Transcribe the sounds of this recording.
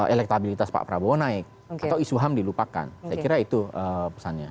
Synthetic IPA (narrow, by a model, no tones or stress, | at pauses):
elɛk̚t̪abilit̪aspa̰ʔpɾabonaɪk̚ | at̪awisuɦamdilupaka̰nsajakiɾait̪uəːpəsanɲa